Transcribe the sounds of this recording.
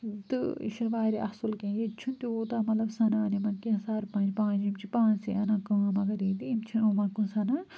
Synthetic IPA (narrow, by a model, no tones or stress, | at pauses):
t̪ɨ̰ḭʃinʋaːɾiʔɐhsulkẽːjet͡ʃʰunt̪ioːt̪aːmɐt̪lɐbsɐnanimɐnkesaːɾpɐ̃ːnd͡ʒpãːd͡ʒimt͡ʃʰipãːnsiʔɐnãkɐɐmɐɡɐɾiːd̪iimt͡ʃʰinomɐnkũnsɐna